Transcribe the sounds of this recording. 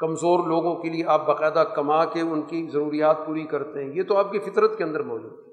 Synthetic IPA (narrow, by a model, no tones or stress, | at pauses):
kɐmzoːɾloːɡõkelieʔaːp̚bɐqɛːd̪akɐmakeʊnkizɐɾuːɾijaːt̪̚puːɾikɐɾt̪eɦɛ̃jet̪oaːp̚kifɪt̪ɾət̪keɐ̃nd̪əɾmɔːd͡ʒṵːd̪ɦɛ